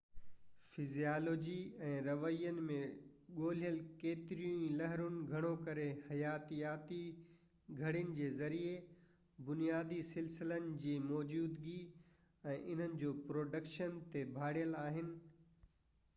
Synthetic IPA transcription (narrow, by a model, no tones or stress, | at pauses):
fɪzijaːloːd͡ʑiɛ̃ːɾɐʋəijənɪ̆mẽɠoːl̤ijəlkeːt̪ɪɾijũĩlɐɦɾʊnɪ̆ɡʱɐɽ̃okɐɾehɐjaːt̪ijaːt̪i | ɡʱɐɽ̤ɪjənɪ̆d͡ʑeːzɐɾie | bʊnijaːd̪isɪlsɪlənɪ̆d͡ʑiːmɔːd͡ʑuːd̪ɡi | ɛ̃ːʔɪn̤ənɪ̆d͡ʑoːpɾoːɖəkʃənt̪ebʱaːɽijəlaːɦɪnɪ̆